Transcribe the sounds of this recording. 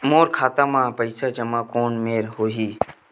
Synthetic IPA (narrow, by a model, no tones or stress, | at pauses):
moːɾkʰaːt̪amãpəɪsad͡ʒɐmãkoːnmeːɾɦoːɦiː